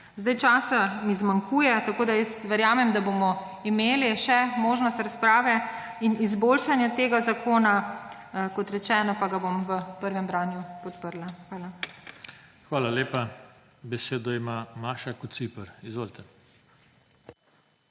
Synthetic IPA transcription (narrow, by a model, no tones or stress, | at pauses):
zd̪ajt͡ʃaːsamizmaŋkuːjɛt̪akoːd̪ajɛsʋɛɾjaːmɛmd̪aboːmɔ | imeːliʃɛmoːʒnɔst̪ɾaspɾaːʋɛ | inizboːlʃanjɛt̪eːɡazakʰoːna | kɔt̪ɾɛt͡ʃɛːnɔpaɡabomʋəpəɾʋɛmbɾaːnjupɔt̪pəɾlaxʋaːla | xʋaːlaleːpa | bɛseːd̪ɔimamaːʃakusipəɾizʋoːlt̪ɛ